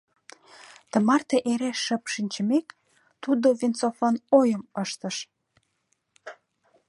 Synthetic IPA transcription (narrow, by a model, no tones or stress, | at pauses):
t̪ə̆mɑrt̪eʔeɾeʃːə̆pʃinʲt͡ɕəmek | t̪ud̪oβʲint͡sofonojəməʃt̪ə̆ʃ